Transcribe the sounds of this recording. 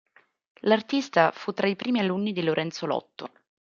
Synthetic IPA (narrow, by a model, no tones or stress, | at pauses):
lart̪ist̪afut̪ːɾaipɾiːmialunːid̪iloɾʔɛnt̪solɔ̰t̪ːo